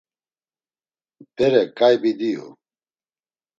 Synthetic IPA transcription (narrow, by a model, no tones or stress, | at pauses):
d̪eɾekajbid̪iːɦṵ